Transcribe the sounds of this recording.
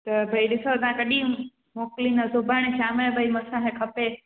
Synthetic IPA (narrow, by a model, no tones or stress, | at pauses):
t̪ɐbʱɐiɗɪsot̪ãkəɗĩ | moːklinɐsobaɽ̃eʃaːmeɭbʱəimɐsãɦẽkʰɐpe